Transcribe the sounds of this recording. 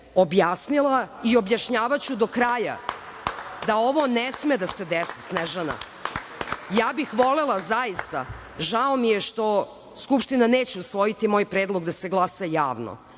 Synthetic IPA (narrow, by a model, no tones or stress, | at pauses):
objasnilˠaio̞bjaʃɲaːʋat͡ɕud̪o̞kɾaja̰ | d̪ao̞ʋonesmed̪ased̪esisneʒana̰ | jaːbixʋolelˠazajist̪a̰ | ʒaomijeʃt̪o̞ | skupʃt̪inaneːt͡ɕeusʋo̞jit̪imo̞ːjpɾeːd̪lˠo̞ɡd̪ase̞ɡlˠasajaːʋno̰